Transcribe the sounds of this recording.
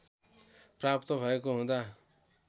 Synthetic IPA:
prapt̪obʱʌekoɦũd̪a

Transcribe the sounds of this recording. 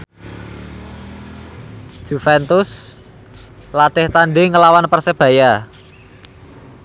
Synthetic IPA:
d̥ʒ̥ṳfɛnt̪ʊs | lat̪ɪht̪anɖeŋəlawanpərseb̥ä̤ja

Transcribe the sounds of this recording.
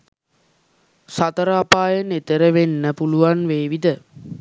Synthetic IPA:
sat̪əɾapaːjənet̪əɾəʋenːəpuluʋanʋeːʋid̪ə

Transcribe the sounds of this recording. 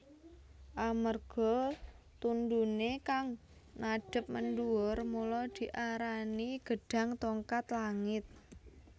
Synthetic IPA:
ʔamərɡ̥ɔ | t̪und̪unekaŋ | naɖ̥ə̤p̚mənɖuʊrmulɔd̪̥i̤ʔaɾaniɡ̥ə̤ɖ̥a̤ŋt̪ɔŋkat̪laŋɪt̪̚

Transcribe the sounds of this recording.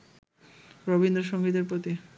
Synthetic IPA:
ɾobind̪ɾoʃoŋɡid̪eɾpɾot̪i

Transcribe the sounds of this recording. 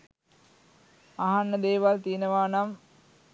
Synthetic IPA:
aɦanːəd̪eːʋalt̪ijənəʋaːnam

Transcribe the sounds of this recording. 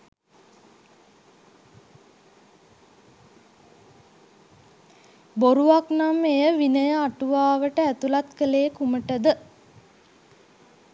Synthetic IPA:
boɾuʋaknamejəʋinəjəaʈuʋaːʋəʈəæt̪ulat̪kəleːkuməʈəd̪ə

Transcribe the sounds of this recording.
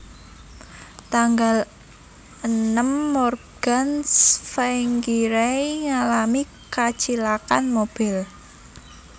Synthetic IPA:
t̪aŋɡal | ənəmːɔrɡ̥ansfaŋkiɾeiŋalami | kḁt͡ʃilakanmob̥ɪl

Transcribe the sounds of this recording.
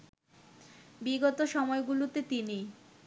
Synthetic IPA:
biɡot̪oʃɔmɔeɡulut̪et̪ini

